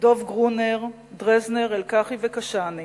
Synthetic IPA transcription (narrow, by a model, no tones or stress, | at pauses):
do̞vɡʁuneʁ | d̪ʁezneʁelkaχivekaʃani